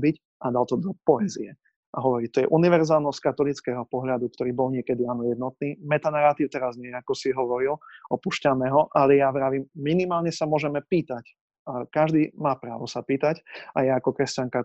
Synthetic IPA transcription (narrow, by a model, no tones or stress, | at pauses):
bic | ad̪alt̪ɔd̪ɔpɔɛziɛ | ʔaɦɔʋɔɾiːt̪ɔjɛʔuniʋɛɾzaːlˠnɔskat̪ɔlit͡skɛɦɔpɔɦʎad̪uk̚t̪ɔɾiːbɔlɲɪɛkɛd̪ianɔjɛd̪nɔt̪̚niːmɛt̪anaɾat̪iːʊt̪ɛɾazɲɛjɛakɔsiɦɔʋɔɾilɔpuʃcamɛɦɔʔalɛjaʋɾaːʋiːmːminimaːlɲɛsamʊɔʒɛmɛpiːt̪ac | akaʒd̪iːmaːpɾaːʋɔsapiːt̪acajaakɔkɾɛscaŋka